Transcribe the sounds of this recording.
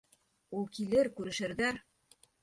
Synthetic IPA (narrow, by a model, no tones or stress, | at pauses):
ulˠkilɘɾkʉɾɘ̆ʃɘ̆ɾðæɾ